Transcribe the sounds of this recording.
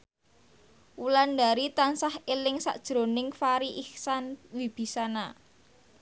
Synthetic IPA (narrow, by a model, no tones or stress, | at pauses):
wuland̪a̤ɾit̪ansahelɪŋsa̰ʔd̥ʒ̥ɾo̤nɪŋfaɾiʔihsanwib̥i̤sana